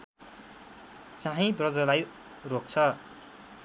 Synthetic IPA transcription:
t͡saɦĩbrʌd͡zʌlaj | rok̚t͡sʰʌ

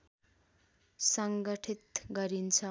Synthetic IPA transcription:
sʌŋɡʌʈʰit̪ɡʌɾint͡sʰʌ

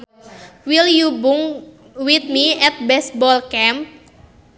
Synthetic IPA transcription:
wiljubuŋ | wit̪̚miɛt̪̚bɛs̚bɔlkɛmp̚

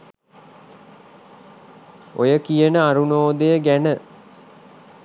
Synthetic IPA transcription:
ojəkijənəaɾunoːd̪ejəɡænə

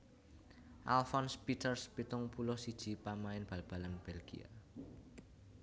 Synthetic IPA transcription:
ʔa̰lfɔnspit̪ərspit̪ʊŋpulɔsid̥ʒ̥i̤pamaɪnb̥a̤lb̥a̤lanb̥elɡ̥ḭa̰

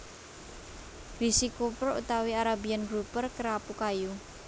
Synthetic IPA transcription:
risikopərṵt̪awiaɾabianɡɾupərkəɾapukaju

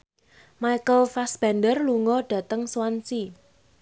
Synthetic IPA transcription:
maikəlfasb̥andərluŋɔɖ̥ä̤t̪əŋswant͡ʃi

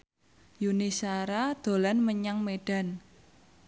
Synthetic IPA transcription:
junisaɾad̪̥o̤lanməɲaŋmeɖ̥a̤n

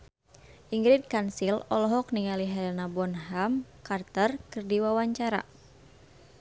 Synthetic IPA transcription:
ʔiŋɡɾit̪̚kansilɔlɔɦɔk̚niŋaliɦɛnabɔnɦamkart̪ərkɨrdiwawaɲt͡ʃaɾa̰

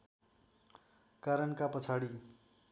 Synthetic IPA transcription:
kaɾʌnkapʌt͡sʰaɽi

